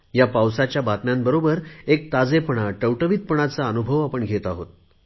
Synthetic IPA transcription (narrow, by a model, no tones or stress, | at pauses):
japawsat͡ɕjabat̪mjambəɾobəɾek̚t̪ad͡zepəɳaʈəwʈəʋit̪̚pəɳat͡saənubʱəʋapəɳɡʱet̪aɦot̪̚